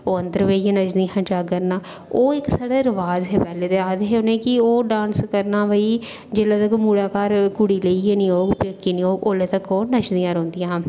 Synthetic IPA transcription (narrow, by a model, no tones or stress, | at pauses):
oːənd̪əɾʋeːiãːnət͡ʃd̪iːɦãd͡ʒaːkəɾnaː | oːɪksaːɽaːɾəʋaːzɦeːpɛːleːt̪eːaːd̪ɦeːoːnẽːkɪoːɖãːnskəɾnaːʋəiː | d͡ʒeːlaːt̪əkmuːɽaːkaːɾkʊɽiːləiːeːniːoːɡpəkːiːniːoːɡʔoːleːt̪əkoːnət͡ʃd̪ĩjãːɾõːnd̪ijãː